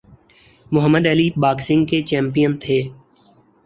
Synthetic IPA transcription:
mʊɦəmːəd̪ɛlibaːksɪ̃ŋɡ̚ket͡ʃɛ̃ːmpijənt̪ʰeː

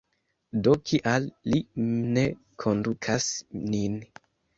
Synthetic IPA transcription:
do̞kʰiʔalːine̞ | kʰondukʰasnin

